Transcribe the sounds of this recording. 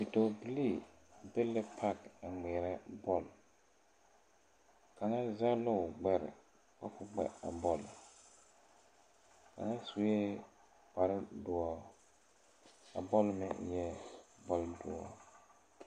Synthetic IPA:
bi˨to˨bi˨li˦˨ | be˦lɪ˦pʰa˦ka˨ŋ͡mɛː˨ɾɛ˦bɔ˦l | ka˨ŋa˦za˦lʊ˦ʊ˨ɡ͡bɛ˦ɾɪ̰˨ | ka˦fʊ˦ɡ͡bɛ̰˦a̰˨bɔ˦lʊ˨ | ka̰˨ŋa˦su˦jɛ˦ | pa˨ɾdʊ˨ɔ˦ | a̰˨bɔ˦lmɪ̰˦˨˦jɛ˦bɔ˦ldʊ˨ɔ̰˦

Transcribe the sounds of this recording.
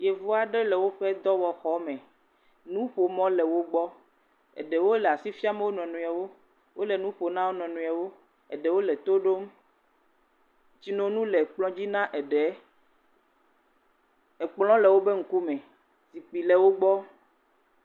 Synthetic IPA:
je˨vo˦a˨ɖɛ˦lɛ˨wo˦ɸɛ˦d̪ɔ˦wɔ˨xɔ˦mɛ̃˨ | nũ˦ɸo˨mɔ̃˦lɛ˨wo˦ɡ͡bɔ˦ | ɛ̰˨ɖɛ˨wo˦lɛ˨a˨si˦fi˦a˦me˦wo˦nɔ̃˨nũ˨a˨wo˦ | wo˦lɛ˨nũ˦ɸo˨nã˦wo˦nɔ̃˨nũ˨a˨wo˦ | ɛ̰˨ɖɛ˨wo˦lɛ˨t̪o˦ɖo˦m | t͡ɕi˦nɔ̃˨nũ˦lɛ˨k͡plɔ̃˦d͡ʑi˦nã˦ʔɛ˨ɖɛ˨ | ɛ˨k͡plɔ̃˦lɛ˨wo˦be˦ŋ̩˦ku˦mɛ̃˨ | si˨k͡pi˨lɛ˨wo˦ɡ͡bɔ˦

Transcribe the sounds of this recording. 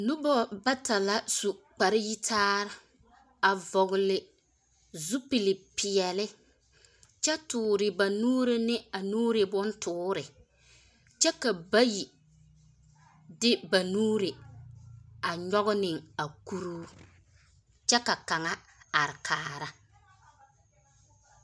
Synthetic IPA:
nʊ˦bɔ˦ba˦ta˨la˦su˨k͡pa˨ɾɪ˦ji˦tʰaː˦ɾa˦˨ | a˨vɔ˨ɣʊ˨lɪ˨ | zu˦pi˨lɪ˨pɪ˨ɛ˨lɪ˦ | t͡ʃɛ˦tʊː˨ɾɪ˨ba˨nuː˦ɾɪ˦nɪ˦a˨nuː˦ɾɪ˨bʊ˦ntʊː˦ɾɪ˨ | t͡ʃɛ˦ka˨ba˦ji˨ | dɪ˦ba˨nuː˦ɾe˨ | a˨ɲɔ˦ɣʊ˦nɪ˨ŋa˨ku˦ɾuː˦ | t͡ʃɛ˦ka˨ka˨ŋa˦ | a˨ɾɪ˨kʰaː˨ɾa˦

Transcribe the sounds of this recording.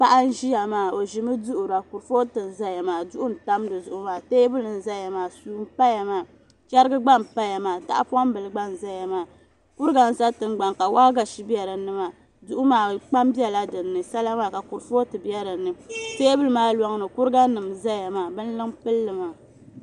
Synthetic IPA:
pa˦ʔa˦n˦ʒi˦ja˨maː˨o˨ʒi˨mɨ˦dʊ˦ʔʊ˨ɾa˨ku˨ɾfo˦tɨ˨n˨za˦ja˨maː˨dʊ˦ʔʊ˦n̩˨ta˦m˦dɨ˨zʊ˨ʔʊ˦maː˨teː˦bɨ˦lɨ˨n̩˨za˦ja˨maː˨suː˦m˦pa˦ja˨maː˨ | t͡ʃɛ˦ɾɡɨ˦ɡ͡ba˦mpa˦ja˨maː˨ta̰˦ʔa̰˦pa˦m˦bɨ˨lɨ˨ɡ͡ba˦n˨za˦ja˨maː˨ | kʊ˦ɾɨ˦ɡa˨n˨za˦tɨ˨ŋɡ͡ba˨ŋka˨wa˦ɡa˨ʃi˦bi˦ɛ˨ɾɨ˨nɨ˦ma˨ | du˦ʔʊ˦maː˨k͡pa˦mbi˦ɛ˦˨la˦dɨ˨nːɨ˨sa˦la˦maː˨ka˨ku˨ɾfo˦tɨ˨bi˦ɛ˦ɾɨ˨nɨ˨teː˦bɨ˦lɨ˦maː˦lɔ˦ŋ˦nɨ˨kʊ˦ɾɨ˦ɡa˦nɨ˨mza˦ja˨maː˨bɨ˦n˦lɨ˦ŋpɨ˦lːɨ˨maː˨

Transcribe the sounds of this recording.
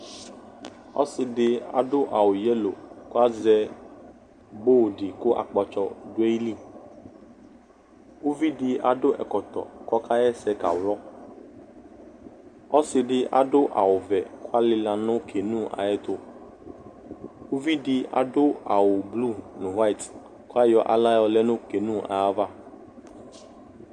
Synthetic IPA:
ɔ̰˦sɪ˨ɖɪ˦a̰˨dʊ˦ʔa˨wʊ˨jɛ˦lo̰˨kʊ˦a˦zɛ˦ | bo˦˨ɖɪ˨kʊ˦ʔa̰˨k͡pɔ˨t͡ʃɔ˦dʊ˦e˦li˦ | wo˦vi˦dɪ˨a̰˨dʊ˦ʔɛ̰˨kɔ˨t̪ɔ̰˨kɔ˦ka˦jɛ˦sɛ˦ka̰˨wlɔ˦ | ɔ˦sɪ˨ɖɪ˦a̰˦ɖʊ˦ʔa̰˨wʊ˨vɛ˨ko˦a˦lɪ˦la˨nʊ̃˦kʰe˨nũ˦a̰˨ɛ˦t̪o˦ | wo˦vi˦ɖɪ˨a̰˨ɖʊ˦a˨wʊ˨blu˦˨nũ˨wa˦i˨t | ko˦a˦jɔ˦ʔa̰˨la˦jɔ˧lɛ˦nʊ̃˦ke˨nũ˦a̰˨a˦va˦

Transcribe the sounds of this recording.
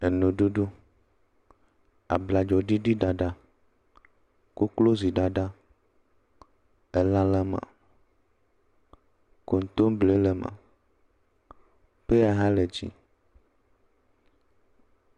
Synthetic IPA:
e˨nõ˨ɖu˦ɖu˦ | a̰˨bla˨d͡ʒɔ˨ɖi˦ɖi˦ɖa˨ɖa˦ | ko˦klo˦zi˨ɖa˨ɖa˦ | e˨lã˦la˦mã̰˨ | ko˨n˨˦t̪o˦m˦ble˦le˨mã̰˨ | pe˦a˨ɦa˦le˨d͡ʒḭ˦

